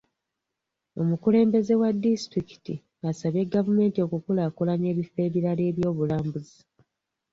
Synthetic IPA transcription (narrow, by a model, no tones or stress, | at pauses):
o̞mukule̞ːmbe̞ze̞wadːisi̥tɾiki̥ti | asaβe̞ɡavume̞ːntio̞kukulaːkulane̞ːβife̞ːβiɾaleːβjo̞ːβulaːmbuzi